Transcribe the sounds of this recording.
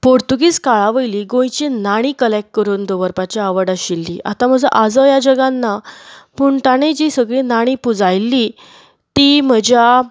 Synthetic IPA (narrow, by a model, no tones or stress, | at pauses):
poɾt̪uɡiːt͡skaɭaʋəjliːɡõjt͡ɕinaɽ̃iːkəlɛkːəɾuːnd̪oʋəɾpat͡ɕaaʋəɽaɕilːḭːʔa̰t̪am̤əd͡zəʔad͡zəjad͡ʑəɡanːapuːɳʈ̪aɽed͡ʑiːsəɡɭinaɽ̃ipud͡zajlːi | t̪im̤əd͡ʑja